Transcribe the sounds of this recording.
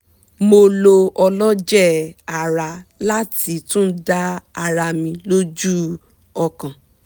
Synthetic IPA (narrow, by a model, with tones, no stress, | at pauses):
mo˧lo˧ɔ˧lɔ˦d͡ʒɛ˦˨a˨ɾa˧la˦ti˧˦tũ˦da˦a˧ɾa˧mĩ˧lo˦d͡ʒu˦ | ɔ˧kã˨